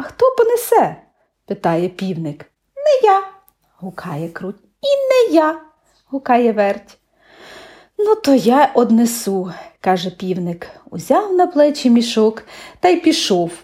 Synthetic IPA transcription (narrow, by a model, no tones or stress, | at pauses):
ɐxt̪ɔpɔnɛsɛ | pɪt̪ɑjɛpʲiwnɪk | nɛja | ɦʊkʰɑjɛkɾutʲ | inɛja | ɦʊkɑjɛʋɛrtʲ | nut̪ɔjɑʔɔd̪nesukɑʒɛpʲiwnɪkṵzʲɑwnɐplˠɛt͡ʃimʲiʃɔkt̪ɑjpʲiʃɔw